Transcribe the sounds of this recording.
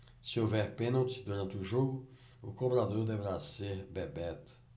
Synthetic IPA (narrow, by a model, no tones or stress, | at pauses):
sɪovɛɾpẽnowt̪ɪ̥d̪uɾɐ̃nt̪ɪʊʒoɡʊ | ʊkõbɾad̪oɾd̪eveɾaseɾbebɛt̪ʊ̥